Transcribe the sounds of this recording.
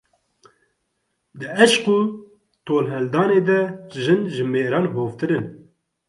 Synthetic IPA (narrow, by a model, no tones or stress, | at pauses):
d̪ɨɛʃquː | t̪ʰoːlɦɛld̪ɑːneːd̪ɛʒɨnʒɨmeːɾɑːnɦoːft̪ɨɾɨn